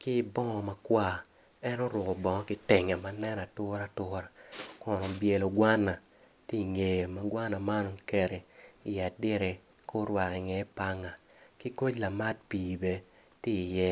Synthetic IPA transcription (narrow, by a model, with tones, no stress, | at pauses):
kɪ˦bɔ˦ŋɔ˨ma˨kwa˦˨ | ɛ˦nɔ˦ɾwʊ˨kɔ˨bɔ˨ŋɔ˦kɪ˦te˨ŋa˨ma˨˦nɛ˦na˨tʊ˦ɾa˦tʊ˦ɾa˨kɔ˨nɔ˨bje˨lo˨ɡwa˦nːa˨ | ti˦˨ŋe˨je˨ma˨ɡwa˦na˨ma˦nɔ˨ke˨ɾe˨ɪ˨a˨dɪ˦ɾe˨ | ko˦ɾwa˨ki˨ŋɛ˨˦pa˦ŋa˨ | ki˦ko˦t͡ʃla˨ma˦t̚pi˨be˨ | tɪ˦˨jɛ˦